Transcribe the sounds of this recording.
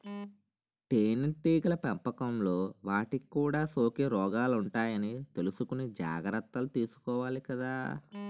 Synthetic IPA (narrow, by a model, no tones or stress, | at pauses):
ʈeːnʈːiːɡlɐpɛmpɐkɐmlo̞ːʋaːʈikikːuːɽaːso̞ːkeɾɔːɡaːluɳʈaːjɐnit̪e̞lusukunid͡ʒa̰ːɡɾɐt̪ːɐlut̪iːsu̥kɔːʋaːlikɐd̪aː